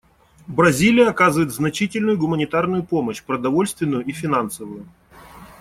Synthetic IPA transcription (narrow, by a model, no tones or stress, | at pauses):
bɾɐzʲilʲɪjəɐkazɨvəɪt̪znɐt͡ɕitʲɪlʲnʊjʊɡʊmənʲɪt̪arnʊjʊpo̞məɕpɾəd̪ɐvo̞lʲst̪vʲɪnːʊjʊifʲɪnansəvʊjʊ